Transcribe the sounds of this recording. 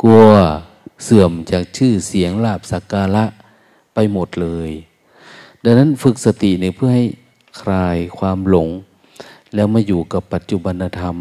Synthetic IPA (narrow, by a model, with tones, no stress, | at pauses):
ku˧ɐ | sɯ˨˩əmt͡ɕaː˨˩k̚t͡ɕʰɯː˥˩si˩˦əŋlaː˧˩p̚sa˨˧˦kaː˧la˦˥ʔ | pa˧jmo˨˩t̪̚lɤː˧j | da˧na˦˥˨nfɯ˧k̚sa˧t̪i˨˩ʔniː˧˦pʰɯ˥˩ɐha˧˩j | kʰɾaː˧jkʰwaː˧mlo˨˧˦ŋ | lɛː˦˥˩wmaː˧˨juː˨˩ka˨˧˩pːa˨˩t̪̚t͡ɕu˧ba˧nːa˧t̪ʰa˧m